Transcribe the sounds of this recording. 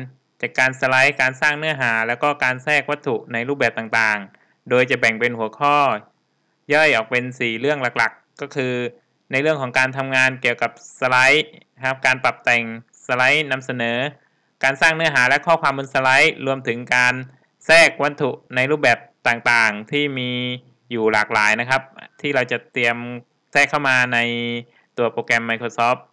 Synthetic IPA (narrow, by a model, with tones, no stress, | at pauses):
n | t͡ɕaː˨˩kːaː˧nsa˧la˦˥jkaː˧nsaː˥˩ŋnɯ˥˩ɐɦaː˩˦lɛː˦˥wkɔː˥˩kaː˧nsɛː˥˩k̚wa˦˥t̪ʰu˨˩na˧jɾuː˥˩bɛː˨˩p̚t̪aː˨˩ŋt̪aː˨˩ŋ | doː˧jt͡ɕa˨˩bɛ˨˩ŋpe˧nhu˩˦ɐkʰɔː˥˩ | jɔ˥˩jʔɔː˨˩k̚pe˧nsiː˨˩lɯ˥˩əŋla˨˩k̚la˨˩kːɔː˥˩kʰɯː˧ | na˧jɾɯ˥˩əŋkʰɔː˩˦ŋkaː˧nt̪ʰa˧mŋaː˧nki˨˩əwka˨˩p̚sa˧la˦˥j | kʰa˦˥p̚kaː˧npa˨˩p̚t̪ɛ˨˩ŋ | sa˧la˦˥jna˧msa˧nɤː˩˦ | kaː˧nsaː˥˩ŋnɯ˦˥ɐɦaː˩˦lɛ˦˥ʔkʰɔː˥˩kʰwaː˧mbɯ˧nsa˧la˦˥jɾu˧əmt̪ʰɯ˩˦ŋkaː˧n | sɛː˥˩k̚wa˧nt̪ʰu˨˩ʔna˧jɾuː˥˩p̚bɛː˨˩p̚t̪aː˨˩ŋt̪aː˨˩ŋt̪ʰiː˥˩miː˧ | juː˨˩laː˨˩k̚laː˩˦jna˦˥kʰa˦˥p̚t̪ʰiː˥˩ɾa˧wt͡ɕa˨˩t̪i˧əm | sɛː˥˩kʰːa˥˩wmaː˧na˧j | t̪u˧ɐpɾoː˧kɛ˧mːa˧jkʰɾoː˧sɔː˦˥p̚